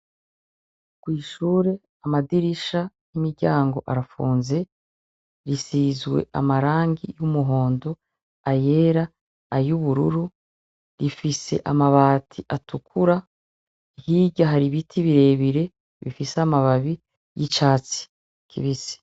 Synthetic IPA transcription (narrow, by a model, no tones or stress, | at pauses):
kwiːʃuːɾe̞ | amadiɾiʃa | jimiɾɟaːŋɡo̞ʔaɾafuːnze̞ | ɾisizɡwe̞̰a̰maɾaːŋɡijumuɦo̞ːndo̞ | aje̞ːɾaː | juβuɾṵɾu | ɾifise̞̰ʔamaβaːtʰiʔatukʰuɾa | hiɟaɦaɾiβitʰiβiɾe̞βiɾe̞ | βḭfiseamaβaβi | jit͡ʃaːt͡si̥ | kʰḭβisi̥